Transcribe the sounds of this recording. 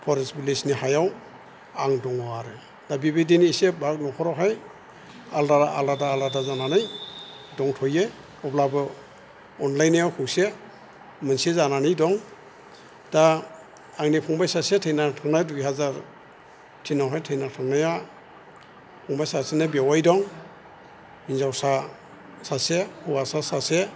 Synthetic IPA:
pʰɔɾesbilisnihajaw | aŋdɔŋɔaɾɯ | d̥abibidiniisebak̚nɔkʰɔɾɔɦaj | aldaɾaaldadaːladazananɯj | dɔŋtʰɔje | ɔblabɯ | ɔnlajnijawkʰuwse | mɯnsizananɯjdɔŋ | d̥a | aŋnipʰɔŋbajsasetʰejnatʰaŋnajdujhazaɾ | tʰinawɦajtʰɯjnatʰaŋnaja | pʰɔŋbajsasenabewajdɔŋ | inzawsa | sasekʰuwasasase

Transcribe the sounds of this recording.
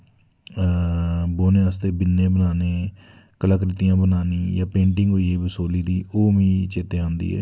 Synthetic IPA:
boːneːaːst̪eːbɪnːẽːbənaːneː | kəlaːkɾɪt̪ijãːbənaːniːjãːpẽːɳʈɪŋɡɦoːieːbəsoːliːd̪iːʔoːʋĩːt͡ʃeːt̪eːãːnd̪ḭːɛ̰ː

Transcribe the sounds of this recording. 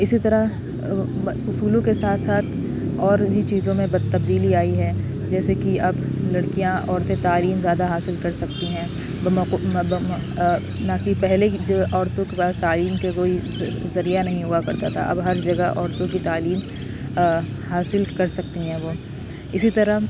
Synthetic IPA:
ɪsit̪ɐɾə | ʊsuːlõkesaːt̪ʰsaːt̪ʰ | ɔːɾɦit͡ʃiːzõmẽbɐd̪̚t̪ɐbd̪iːliaːiɦɛː | d͡ʒɛːsekiɐblɐɽkijãʔɔːɾt̪ẽt̪aːliːmzjaːd̪aɦaːsɪlkɐɾsɐk̚t̪iɦɛ̃ː | bb | nakipɛɦled͡ʒoːʔɔːɾt̪õkepaːst̪aːliːmkakoːi | zɐɾijanɐɦĩɦuakɐɾt̪at̪ʰa̰ʔɐ̰bɦɐɾd͡ʒɐɡəʔɔːɾt̪õkit̪aːliːm | haːsɪlkɐɾsɐk̚t̪iɦɛ̃ːʋoː | ɪsit̪ɐɾə

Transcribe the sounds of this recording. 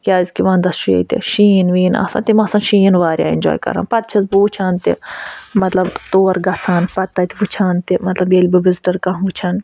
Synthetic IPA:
kʲaːzʲkiʋãːnd̪ɐsʃʰujḛt̪ḭʃiːnʋiːna̰ːsa̰ːnt̪imɐːsãnʃiːnʋaːɾja̰ːḭnʲd͡ʒo̰ːjkɐ̰ɾa̰ːnpɐt̪̚t͡ʃʰɐzbuːt͡ʃʰaːnt̪ḭmɐt̪lɐbt̪oːɾɡɐt͡sʰaːnpɐt̪ːɐt̪ʲiʋut͡ʃʰaːnt̪imɐt̪lɐbjelʲbɐʋizʈɐɾkɐɦʋut͡ʃʰɐn

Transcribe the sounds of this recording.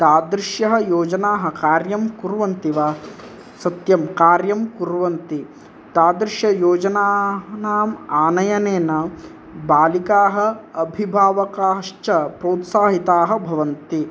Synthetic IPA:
t̪aːd̪ɾɪʃjɐɦɐ̆joːd͡ʒɐnaːɦɐ̆kaːɾjɐmkuɾʋɐnt̪iʋaː | sɐt̪jɐmkaːɾjɐmkuɾʋɐnt̪i | t̪aːd̪ɾɪʃjɐjoːd͡ʒɐnaːnaːmaːnɐjɐneːnɐ | baːlikaːɦɐ̆ːbʱibʱaːʋɐkaːʂt͡ʃɐpɾɐːt̪saːɦit̪aːɦɐ̆bʱɐʋɐnt̪i

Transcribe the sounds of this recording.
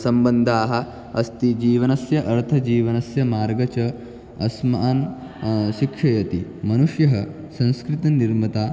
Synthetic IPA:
sɐmbɐnd̪ʱaːɦɐ | ɐst̪id͡ʑiːʋɐnɐsjɐʔɐɾt̪ʰɐd͡ʑiːʋɐnɐsjɐmaːɾɡɐt͡ʃɐ | ɐsmaan | ʃikʂɐjɐt̪imɐnuʂjɐɦɐ | sɐ̃ñskɾit̪ɐniɾmɐt̪aː

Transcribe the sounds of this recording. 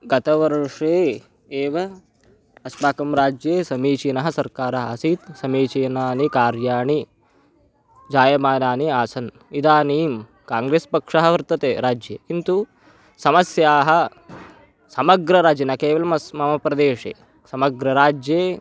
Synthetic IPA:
ɡɐt̪ɐʋɐɾʂeː | eːʋɐ | ɐspaːkɐmɾaːd͡ʒjeːsɐmiːt͡ʃiːnɐɦɐ̆sɐɾkaːɾɐɦɐɐsit̪sɐmiːt͡ʃiːnaːnikaːɾjaːɳi | d͡ʒaːjɐmaːnaːniaːsɐn | id̪aːniːm | kaːŋɡɾeːspɐkʂɐɦɐʋɐɾt̪ɐt̪eːɾaːd͡ʒjɐ̰ːkint̪u | sɐmɐsjaːɦɐ̆ | sɐmɐɡɾɐɾaːd͡ʒɐnaːkeːʋɐlɐmɐmɐmɐpɾɐd̪eːʂḛː | sɐmɐɡɾɐɾaːd͡ʒjeː

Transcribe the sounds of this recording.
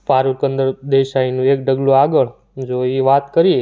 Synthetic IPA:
paɾukənd̪əɾd̪eʃainũek̚ɖəɡluaɡəɭ | d͡ʒoiʋat̪kəɾie

